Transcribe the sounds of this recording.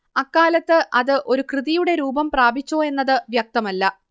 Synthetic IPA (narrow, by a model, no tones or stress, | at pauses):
ɐkːaːlɐt̪ːɨʔɐðɨʔo̞ɾukrɨðijuɽe̞ɾuːbɐmpraːbit͡ɕːoːe̞nːɐðɨʋjɐk̚t̪ɐmɐlːɐ